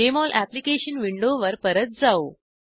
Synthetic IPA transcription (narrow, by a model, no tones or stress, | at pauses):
emɔlʔæplikeɕənʋiɳɖoʋəɾpəɾət̪̚d͡zao